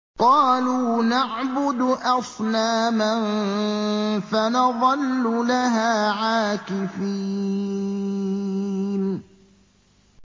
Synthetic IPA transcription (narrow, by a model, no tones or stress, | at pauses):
qɑːluːnaʕbʊd̪ʔɑsˤnaːman | fanɑðˤɑlːʊlaɦaːʕaːkɪfiː | n